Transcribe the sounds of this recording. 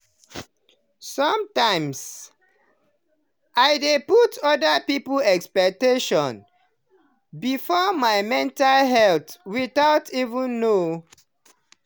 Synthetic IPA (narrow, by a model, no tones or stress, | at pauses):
sɔ̃mtãɪ̃ms | ʔaɪdeputʰɔdapipəlɛkspɛk̚teʃɔ̃n | bifɔmaɪmɛ̃ntalɦɛltwiθaʊtʰivũnːo